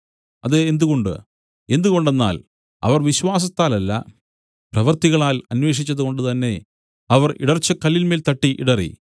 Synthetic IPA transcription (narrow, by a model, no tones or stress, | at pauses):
ɐðeend̪uɣo̞ɳɖɨ̰ | e̞nd̪uɣo̞ɳɖe̞nːa̰ːl | ɐ̰ʋɐrʋiɕʋaːs̬ɐt̪ːaːlɐlːɐ̰ | prɐʋɐrt̪iɣɐɭaːlɐnwe̞ːʂ̬it͡ɕːɐðuko̞ɳɖɨt̪ɐnːe̞ | ɐʋɐrḭɽɐrt͡ɕːɐkɐlːilmeːlt̪ɐʈːiʔḭɽɐrḭ